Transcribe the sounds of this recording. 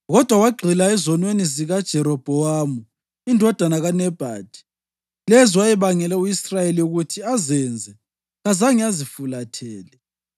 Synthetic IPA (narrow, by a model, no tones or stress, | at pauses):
ɣɔd̥ʱwawaɡ͡ǃʱilaɛzɔnweniziɣad̥ʒ̥ʱɛɾɔb̥ʱɔamu | indʱɔd̥ʱanaɣanɛb̥ʱa̰ːd̥ʱi̥ | lɛziwajɛβaŋɛlɛujisrajeliuɣutʰiazɛnd͡zʱɛ | ɣazaŋiazifulatʰɛːlɛ